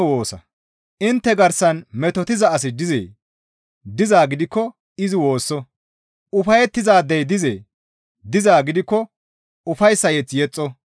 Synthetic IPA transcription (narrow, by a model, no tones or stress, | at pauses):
woːsɐ | ʔɪnt̪ːɛɡɐɾsɐnmɛt̪ɔt̪ɪzɐɐs̬ɪd̪ɪzḛː | d̪ɪzaːɡɪd̪ɪkːɔ | ɪzɪwo̞ːsːɔ | ʔʊfɐjɛt̪ːɪzaːd̪ɛjd̪ɪzḛː | d̪ɪzaːɡɪd̪ɪkːɔ | ʊfɐjsːɐjɛt͡sːjɛt͡sʼːɔ